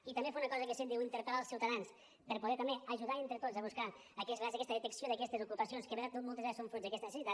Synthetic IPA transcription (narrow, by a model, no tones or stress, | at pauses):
it̪ɐmbefaunɐkɔzəkesend̪iwint̪əɾpaɾalˠsiwt̪ɐðans | pəɾpuðɛt̪əmbeəʒuðaent̪ɾət̪ozəβuskaː | kɛsazəkɛst̪əðet̪əksioðəɐkɛst̪ezukupɐsionskeβeɾat̪ot̪molˠt̪ezaɾsoɱfɾod͡ʒzðəkɛst̪ənesesit̪a